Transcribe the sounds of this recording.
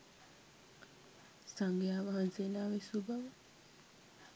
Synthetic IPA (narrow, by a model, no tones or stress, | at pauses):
saŋɡjaːʋaɦanseːnaːʋisubʱaʋə